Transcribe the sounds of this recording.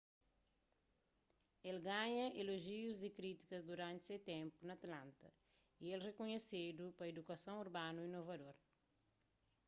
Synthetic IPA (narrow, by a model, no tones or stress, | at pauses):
elɡaɲɐʔeloʒiuzikɾit̪i̥kɐzd̪uɾãnt̪set̪ɛ̃mpunɐt̪lãnt̪ɐ | ielrekuɲesed̪upɐed̪ukɐsõŋ̃uɾbanuinovɐd̪oɾ